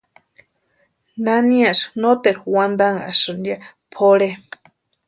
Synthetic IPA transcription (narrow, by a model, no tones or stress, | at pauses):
nanĩaʔsnot̪eɾwand̪aŋa̰sɨnjapʰoɺe